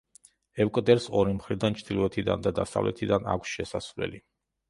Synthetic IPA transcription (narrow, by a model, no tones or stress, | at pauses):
ɛvkʼd̪ɛɾsɔɾimχɾid̪ant͡ʃʰd̪ilɔɛt̪ʰid̪a̰nd̪ad̪asavlɛ̰t̪ʰid̪ana̰kʷʰsʃɛsasvlɛ̰li